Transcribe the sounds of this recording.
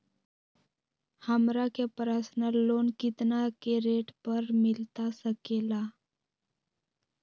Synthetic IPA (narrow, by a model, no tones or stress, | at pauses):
həmɾakjapɾasnəlːonkit̪nakeɾeʈpəɾmilt̪asəkela